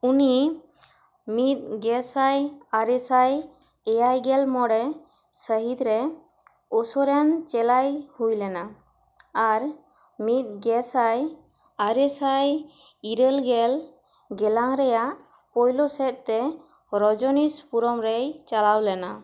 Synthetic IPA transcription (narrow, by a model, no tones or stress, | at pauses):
uni | mit̪̚ˀɡɛsajaɾɛsaj | ɛjajɡɛlmɔɽɛ | səɦit̪ɾɛ | ɔsɔɾɛnt͡ʃɛlajhujlɛna | aɾ | mit̪̚ˀɡɛsaj | aɾɛsaj | iɾəlɡɛl | ɡɛlaŋɾɛjaʔ | pɔjlɔsɛt̪̚ˀt̪ɛ | ɾɔd͡ʒɔnispuɾɔmɾɛjt͡ʃalawlɛna